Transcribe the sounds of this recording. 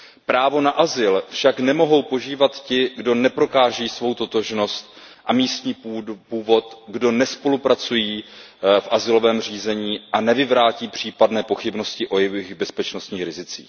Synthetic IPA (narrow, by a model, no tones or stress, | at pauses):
pɾaːvo̞naʔazɪlfʃaknɛmo̞ɦo̞wpo̞ʒiːvat̪cɪɡdo̞nɛpɾo̞kaːʒɛjiːsvo̞wt̪o̞t̪o̞ʒno̞st̪̚ʔamiːst̪ɲiːpupuːvo̞t̪ɡdo̞nɛspo̞lupɾat͡sujiː | fʔazɪlo̞vɛːmriːzɛɲiːʔanɛvɪvɾaːciːpr̝̥iːpadnɛːpo̞xɪbno̞scɪʔo̞jɛvɪɣbɛspɛt͡ʃno̞st̪ɲiːxɾɪzɪt͡sḭːx